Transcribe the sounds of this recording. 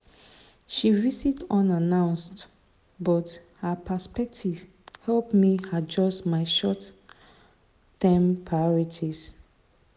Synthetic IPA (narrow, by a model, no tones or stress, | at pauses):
ʃivisitɔ̃nanãʊ̃nst | bɔt | hapʰəspɛk̚tʰiv̥ | hɛlpmihad͡ʒɔstmaɪʃɔt | ɛ̃mpʰɹajɔɹitʰis